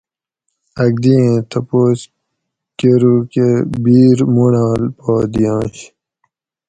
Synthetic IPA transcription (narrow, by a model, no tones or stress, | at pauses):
ɐɡ̚d̪iẽt̪ʰɐpoːs | keɾukebiːɾmunaːlpɔːd̪ijãːɕ